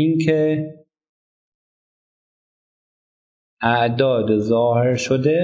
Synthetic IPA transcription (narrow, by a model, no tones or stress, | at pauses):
inkʰe | ʔæʔd̪ɒːd̪zɒːhe̞ɾʃod̪e